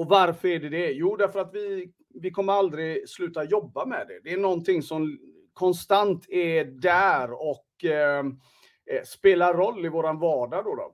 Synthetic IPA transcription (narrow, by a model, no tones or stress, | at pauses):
ɔvaɾfœɾæɖɛd̪ɛjuːd̪æɾfœɾat̪vɪ | vɪkʰɔmːəɾald̪ɾɪslʉ̟ːt̪ajɔbːamɛ̰d̪ɛ̰d̪ɛːnɔnt̪ʰɪŋːsɔm | kʰɔnst̪ant̪ʰɛdæːɾɔk | speːlaɾɔlːɪvoːɾanvɑːɖad̪ɔd̪ɔ̰